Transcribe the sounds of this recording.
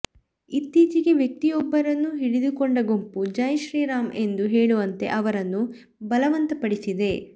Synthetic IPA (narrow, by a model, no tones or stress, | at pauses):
it̪ːiːt͡ʃiɡe̞ʋjɐk̚t̪ijɔbːɐɾɐnːuɦiɽid̪ukoɳɖɐɡo̞mpud͡ʒɐjɐʃɾiːɾaːmʔe̞nd̪uɦeːɭuʋɐnt̪e̞̰ʔɐʋɐɾɐnːu | bɐlɐʋɐnt̪ɐpɐɽisid̪e̞